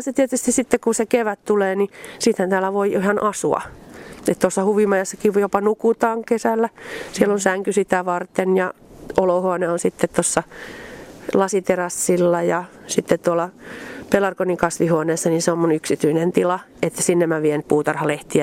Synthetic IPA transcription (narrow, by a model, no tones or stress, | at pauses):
set̪iet̪yst̪issit̪ːekkusekeʋætt̪uleːnisiːt̪hænt̪æːlːˑæʋoiʔihɑnʔɑsuɑ̰et̪t̪osːɑhuʋimɑjɑsːɑkiʋjopɑnukut̪ɑːŋkesælːæsielːonsæŋkysit̪æʋɑrt̪enjɑ | olohuoneonsit̪ːet̪t̪osːɑ | lɑsit̪erɑsːilːɑjɑsit̪ːett̪uolːɑpelɑrkonikɑsʋihuoneːsːɑniseommunyksit̪yinent̪ilɑ | et̪ːæ̥sinːemmæʋienpuːt̪ɑrhɑleht̪iæ